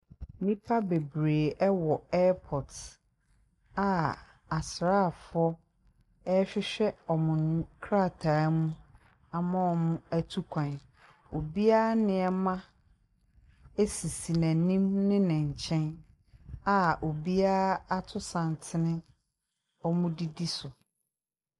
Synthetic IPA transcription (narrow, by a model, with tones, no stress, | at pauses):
nĩ˦pʰa˦be˨bɾeː˨ʔɛ˦wɔ˨ɛː˦pʰɔ˨t | a˨ | a˨sɾa˦˨fʊ˨˦ɔ˦ | ɛ˦ɕᶣɪ˦ɕᶣɛ˦ɔ˨mʊ̃˨ñ˦kʰɾa˦˨tʰaː˨˦mũ˦ | a˨mã˦ɔ˨mʊ̃˦æ˦tʰu˦kʷʰã˨n | o˨bi˦a˦a˦nɪ̃˨ɛ˦mã˦ | e˦si˨si˨nã˨nĩ˦mnɪ̃˦nɪ̃˨ɲ̩˨t͡ɕʰɛ̃˦n | a˨ʔo˨bi˦a˦a˦a˦tʰʊ˦sã˨n˨tʰɪ˦nɪ̃˦ | ɔ˦mʊ̃˦di˦di˦sʊ˨